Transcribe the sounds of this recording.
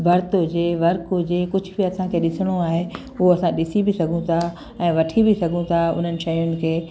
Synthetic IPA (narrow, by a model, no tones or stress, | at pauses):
bʱɐɾt̪od͡ʑeːʋɐɾkod͡ʑeːkʊd͡ʑʱʊ̆biɐsãkʰeːɗɪsɪɽ̃oaːɦe | ʊɦoɐsãɗɪsibɪsɐɡʱũt̪ʰa | ɛ̃ːʋɐʈʰibisɐɡʱũt̪ʰaʊ̰n̤ənɪ̆ʃɐjʊnɪ̆kʰeː